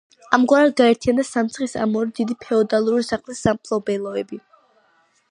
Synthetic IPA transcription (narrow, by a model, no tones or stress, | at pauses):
amɡwaɾad̪̚ɡaɛɾt̪ʰijand̪asamt̪sʰχisa̰mɔɾid̪id̪ipʰɛɔd̪alˠuɾɾisaχlisːampʰlˠɔbɛlˠɔɛbi